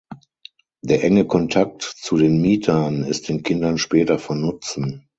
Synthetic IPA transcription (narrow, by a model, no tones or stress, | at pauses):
d̥eːɐʔɛŋəkʰɔntʰak̚tt͡sudeːnmiːtʰɐnɪst̚d̥eːnkʰɪndɐnʃpɛːtɐfɔnʊt͡sn̩